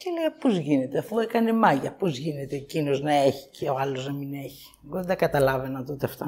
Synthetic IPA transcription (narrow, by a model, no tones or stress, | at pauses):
celiɐpozʝine̞t̪eɐfuekɐnemɐʝɐpozʝine̞t̪e̞ːcino̞znɐe̞çi̥ceoɐlo̞znɐmine̞çi̥eɣoðed̪ɐkɐt̪ɐlɐve̞nɐt̪ot̪eɐft̪o